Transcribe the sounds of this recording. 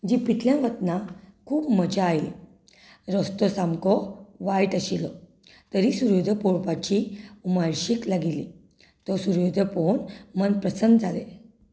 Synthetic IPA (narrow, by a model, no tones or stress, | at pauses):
d͡ʑipit̪ljãʋət̪nakʰuːpməd͡ʑaːjl | ɾɔst̪ɔsamkɔʋajʈəɕilɔ | t̪əɾisuɾjod̪ʱəpoɽpat͡ɕiumaɭɕiklaɡili | t̪ɔsuɾjod̪ʱəponmənpɾəsənd̪d͡zʱale